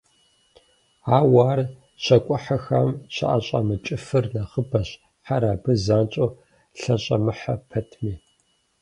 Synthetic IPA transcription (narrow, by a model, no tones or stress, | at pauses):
aːwaːr | ɕɐkʷʼʊħaxamɕʰa̰ʔa̰ɕʼa̰mɨt͡ʃʼɪfɨrnɐχəbɐɕ | ħaɾaːbɨzaːnt͡ʃʼo | ɬɐɕʼɐmɨħapʰɐtʰmiː